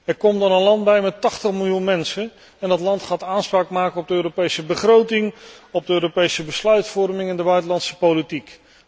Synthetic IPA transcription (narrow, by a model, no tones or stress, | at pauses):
ɛɹkɔmdɑnənlɑnd̚bɛjmɛtɑχtəχmɪlˠjunmɛnsən | ɛndɑtlɑntχaːtaːnspraːkmaːkənɔb̚dəøːɾopejsəbəχrowtɪŋɔb̚dəøːɾopejsəbəslœɥtfɔrmɪŋɛndəbœɥtəlɑntsə̥powlitik